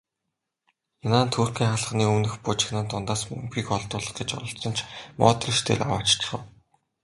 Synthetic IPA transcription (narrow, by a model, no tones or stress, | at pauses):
enaːnt̪ʰuːrkʲiːŋχaɮ̆χniːɵmnɘ̆xpʊt͡ɕɪ̥̆xnănt̪ʊnt̪aːsmɵ̰mpiːkɔɮt̪ʊːɮɞ̆χɡet͡ɕɔ̰ɾɞ̆ɬt̪rɞ̆nt͡ɕʰmɔ̰ːt̪rə̆ʃt̪ʰḛːra̰wa̰ːt͡ɕt͡ɕ̆χə̆w